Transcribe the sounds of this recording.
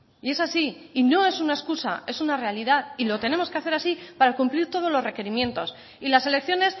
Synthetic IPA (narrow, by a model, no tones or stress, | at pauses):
ie̞sasiːno̞e̞sunae̞skusa̰e̞sunare̞aliðaðilo̞t̪e̞ne̞mo̞ske̞aθe̞ɾasipaɾakumpliɾt̪o̞ð̞o̞zlo̞zre̞ke̞ɾimje̞nt̪o̞s | ilase̞le̞kθjo̞ne̞s